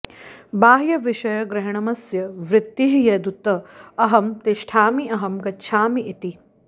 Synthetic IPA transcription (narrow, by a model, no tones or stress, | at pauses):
baːɦjɐʋɪʃɐjɐɡɾɪɦɐɳɐmɐsjɐʋɾɪt̪ːiɦjɐd̪ut̪ɐɐɦɐmt̪iʃʈʰaːmiɐɦɐmɡɐt͡ʃʰaːmiʔit̪i